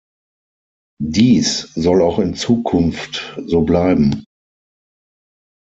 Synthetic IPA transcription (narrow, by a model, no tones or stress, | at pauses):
diːszɔlaʊxɪnt͡suːkʰʊnftzoːblaɪbm̩